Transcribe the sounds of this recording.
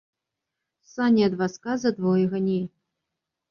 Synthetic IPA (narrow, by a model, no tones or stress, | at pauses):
sanʲiɐd̪vaskazɐd̪vɔjɛɣɐnʲe